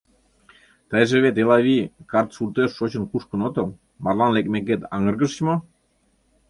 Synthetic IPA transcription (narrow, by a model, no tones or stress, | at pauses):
t̪əjʒĕβet̪elɑβikɑrt̪surt̪øʃːot͡ɕə̆nkuʃkə̆not̪ŏl | mɑrlɑnlek̚mek̬et̪ɑŋə̆rɣə̆ʃə̥t͡ɕmo